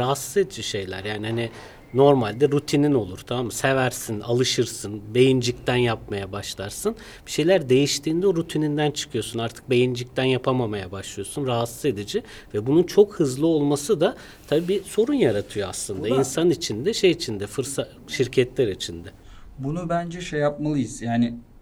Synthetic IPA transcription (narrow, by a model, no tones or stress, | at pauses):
ɾaɦasːɯ̥ze̞d̪id͡ʒiʃe̞jlʲæ̰ɾjaːnihani | no̞ɾmalʲd̪ɛɾut̪ʰinino̞lˠuɾ̥t̪ʰamamːasevæɾsina̰lˠɯʃɯɾsɯnbe̞jind͡ʒic̚t̪ʰænjapmajabaʃlˠaɾsɯn | b̥i̥ʃe̞jlʲæɾd̪e̞jiʃt̪ʰiːnd̪ɛoɾut̪ʰinind̪ænt͡ʃʰɯ̥kʰɯjo̞sunaɾt̪ʰɯ̥k̚be̞jind͡ʒic̚t̪ʰænjapʰamamajabaʃlˠɯjo̞sunɾaɦat̪sɯze̞d̪id͡ʒɪ | vɛbununt͡ʃʰo̞khɯzlˠɯo̞lˠmasɯd̪a | t̪ʰabiːbiso̞ɾunjaɾat̪ʰɯjoaslˠɯnd̪ainsanit͡ʃʰind̪ɛʃe̞jit͡ʃʰind̪ɛfɯɾsa | ʃiɾcʰɛt̪lʲæɾit͡ʃʰind̪ɛ | bunubænd͡ʒɛʃejap̚malˠɯjɯz̥jaːnɪ